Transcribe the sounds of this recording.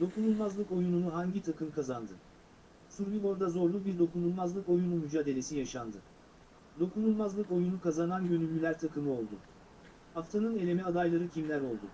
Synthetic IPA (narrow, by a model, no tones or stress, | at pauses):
d̪o̞kʰunulˠmazlˠɯko̞jununuɦaɲɟit̪ʰakʰɯmkʰazand̪ɯ | suɾbiɡo̞ɾd̪azo̞ɾlˠubiɾd̪o̞kunulˠmazlˠɯko̞junumyd͡ʒaːd̪e̞lʲe̞sijaʃand̪ɯ | d̪o̞kunulˠmazlˠɯko̞junukazananɟø̞nylʲːylʲæɾt̪ʰakʰɯmɯo̞lˠd̪ʊ̰ | haft̪ʰanɯne̞lʲe̞mɛad̪ajlˠaɾɯcʰimlʲæɾo̞lˠd̪u